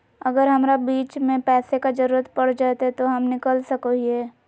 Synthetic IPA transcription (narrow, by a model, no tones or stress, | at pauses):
ɐɡəɾɦɐmɾabiːt͡ʃmẽpɛːsekad͡ʒɐɾuːɾət̪pɐɽ̤d͡ʒaːt̪eɛt̪oɦɐmnɪkəlsɐkoɦiɛː